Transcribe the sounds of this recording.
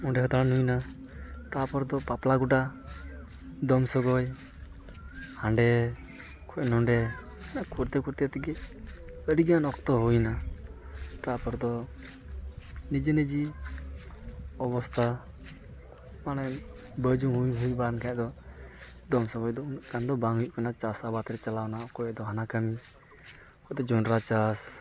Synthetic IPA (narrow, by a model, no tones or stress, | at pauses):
ɔɳɖɛɦɔt̪aɽanujna | t̪apɔɾd̪ɔpaplaɡuʈa | d̪ɔmsɔɡɔj | haɳɖɛ | kʰɔʔnɔɳɖɛ | nakʰuɾt̪ɛkuɾt̪ɛt̪ikɛ | əɽiɡanɔkt̪ɔɦujna | t̪apɔɾd̪ɔ | nid͡ʒenid͡ʒi | ɔbɔst̪ʰa | manɛ | bəd͡ʒuŋɦujɦujbankʰad̪ɔ | d̪ɔmsɔbɔjd̪ɔunʔkand̪ɔbaŋɦujʔkanat͡ʃasabat̪ɾɛt͡ʃalawnaɔkɔɛd̪ɔɦanakəmi | kʰɔd̪ɔd͡ʒɔɳɾat͡ʃas